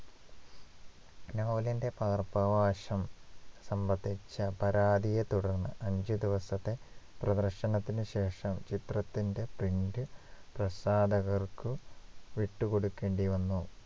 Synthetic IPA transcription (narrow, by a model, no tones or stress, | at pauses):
noːlinde̞pɐɐrpɐʋaːɕɐmsɐmbɐd̪ʱːit͡ɕːɐpɐɾaːd̪ijet̪uɽɐrnːɐ̰ʔɐɲd͡ʑɨd̪iʋɐsɐt̪ːe̞prɐd̪ɐrɕɐnɐt̪ːinɨɕe̞ːʂɐmt͡ɕit̪rɐt̪ːinde̞priɳdɨprɐsaːd̪ɐɣɐrkɨʋiʈːukoɽukːeːɳɖiʋɐnːu